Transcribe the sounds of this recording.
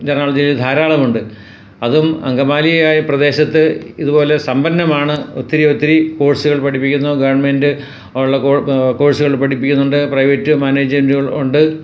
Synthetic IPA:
d͡ʑenːaːɭɐd͡ʑild̪ʱaːɾaːɭɐmuɳɖɨ | ɐðumɐ̰ŋɡɐmaːlijɐjaːjiprɐd̪e̞ːɕɐt̪ːɨiðubo̞ːle̞sɐmbɐnːɐmaːɳɨo̰t̪ːiɾio̞t̪ːiɾiko̞ːɻsuɣɐɭpɐʈʰipːikʲːunːɐɡɐʋɐrɳmendɨ | ɭːɐoko̞ːɻsuɣɐɭpɐʈipːikʲːunːuɳɖɨprɐjʋɐtːɨmaːneːd͡ʑmenduɣɐɭuɳɖɨ

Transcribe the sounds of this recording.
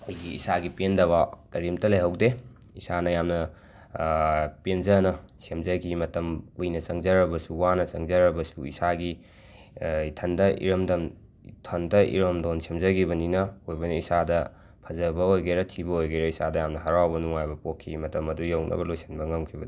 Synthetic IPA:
ujɡiḭsaɡipendɐwakɐɾimtɐlɐjɦɐwde | isanɐjamnɐ | penzɐnɐsemzɐɡimɐtɐmkujnɐt͡ʃɐŋzɐɾɐbɐsuwanɐt͡ʃɐŋzɐɾɐbɐsuḭsaɡi | itʰɐndɐʔḭɾɐmdɐn | tʰondɐʔḭɾɐmdonsemzɐɡibɐninɐojbɐniisadɐ | pʰɐzɐbɐojɡeɾɐtʰibɐojɡeɾɐisadɐjamnɐɦaɾawbɐnuŋajbɐpokʰːimɐtɐmɐdujawnʔɐ̰bɐlojsʰinbɐŋɐmkʰibɐdu

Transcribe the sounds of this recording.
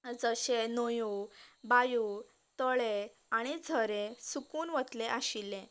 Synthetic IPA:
d͡zəɕenojubaju | t̪ɔɭe | aɽ̃id͡zʱəɾẽsukuːnʋət̪leʔaɕilːẽ

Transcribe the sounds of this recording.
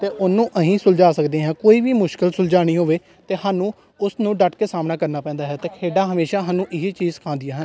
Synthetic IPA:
t̪eːʔʊnːũːʔəɦĩːsʊld͡ʒaːsəkd̪ẽːɦɛ̃ːkoːiːʋiːmʊʃkɪlsʊld͡ʒaːɽ̃iːɦoːʋeː | t̪eːhaːnũː | ʊsnũːɖəʈkeːsaːmnaːkəɾnaːpɛ̃ːnd̪aːɦɛːt̪eːkʰeːɖaːɦəmeːʃaːɦaːnũːʔɪɦiːt͡ʃiːzkʰãːnd̪ijaːɦən

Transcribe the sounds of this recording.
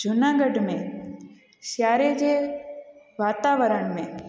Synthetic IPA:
d͡ʒʊnaːɡəɖmẽ | ʃjaːɾed͡ʒe | ʋaːt̪aːʋəɾəɳmẽ

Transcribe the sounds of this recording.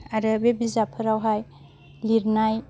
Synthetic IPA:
aɾəbebizapʰɯɾawɦaj | liɾnaj

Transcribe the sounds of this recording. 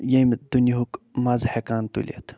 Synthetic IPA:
jemd̪unʲiɦukmazhekaːnt̪ṵlʲḭḛt̪

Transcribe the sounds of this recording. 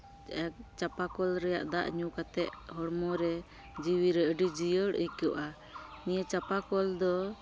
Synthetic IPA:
ɛk̚t͡ʃapakɔlɾɛja̰ʔd̪a̰ʔɲukat̪ɛʔɦɔɽmɔɾɛ | d͡ʒiwiɾɛəɖid͡ʒijəɽəjkəʔʔa | nijət͡ʃapakɔld̪ɔ

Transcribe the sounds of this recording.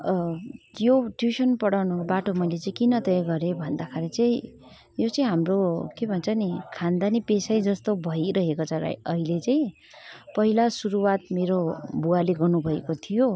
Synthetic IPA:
joʈjusʌnpʌɽawnubaʈomʌjlet͡saĩkinʌt̪ʌjʌɡʌɾebʱʌnd̪akʰaɾʌt͡saĩ | jot͡sʌĩɦamrokebʱʌnt͡sʰʌnikʰand̪anipesajd͡zʌst̪obʱʌiɾʌɦekot͡sʰʌɾa̰jʌ̰ɦilet͡saĩ | pʌɦilasuɾuwat̪meɾobualeɡʌnubʱʌekot̪ʰijo

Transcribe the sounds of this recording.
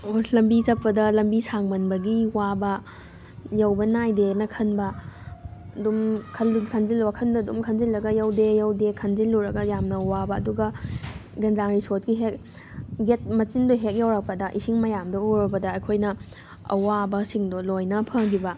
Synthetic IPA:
olɐmbit͡ʃɐpːɐdɐlɐmbisaŋmɐnbɐɡiwabɐ | jɐwbɐnajdenɐkʰɐnbɐ | ɐdumkʰɐlːikʰɐnzilwɐkʰɐndɐdumkʰɐnzilːɐɡɐjɐwdejɐwdekʰɐnzilːuɾɐɡɐjamnɐwabɐːɐduɡɐ | ɡenzaŋɾisot̚ɡiɦek̚ | ɡet̚mɐt͡ʃindoɦek̚jɐwɾɐk̚pɐdɐʔisiŋmɐjamdɐuɾɐpɐdɐːjkʰojnɐ | ɐ̰wabɐsiŋdolojnɐpʰɐŋɡibɐ

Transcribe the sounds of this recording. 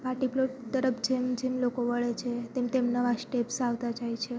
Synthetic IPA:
paʈiploʈ̚t̪əɾəpʰd͡ʒemd͡ʒemlokoʋəɭet͡ʃʰet̪emt̪emnəʋasʈepsaʋt̪ad͡ʒajt͡ʃʰe

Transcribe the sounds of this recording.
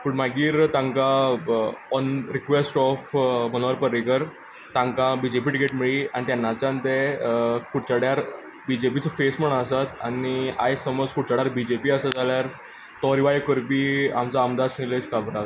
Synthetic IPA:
pəɳm̤aɡiːɾt̪ãŋka | ɔnɾikʋesʈɔfmənoʋəɾpəɾikəɾ | t̪ãŋkãbid͡ʑepiʈikeʈmiɭiːañit̪janːat͡ɕãnt̪ekuʈt͡ɕaɽjaɾ | bid͡ʑepit͡səfesməɳəsat̪ania̰jsəməd͡zkuʈt͡ɕaɽjaɾbid͡ʑepiːəsəd͡zʱaljaɾ | t̪ɔɾiʋajkəɾpiːamt͡saəmd̪aɾsnilet͡skabɾa

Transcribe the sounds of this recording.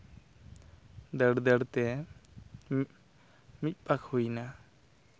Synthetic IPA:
d̪əɽd̪əɽt̪ɛ | mic̪̚ˀpʼakʰhujna

